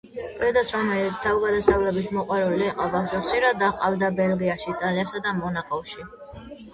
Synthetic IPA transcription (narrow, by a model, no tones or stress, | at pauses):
pʼɛd̪asɾɔmɛlit̪sʰt̪ʰavɡad̪asavlɛbismɔqʼwaɾuliɛqʼavaʒɛχʃiɾad̪aχqʼavd̪abɛlɡiaʃiːt̪ʼaliasad̪amɔnakʼɔfʃi